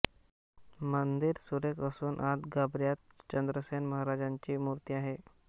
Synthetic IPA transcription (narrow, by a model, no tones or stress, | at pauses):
mənd̪iɾsuɾekəsuːnʔat̪ɡabɾjat̪̚t͡ɕənd̪ɾəsenməɦaɾad͡ʑaɲt͡ɕiːmuɾt̪iːaɦe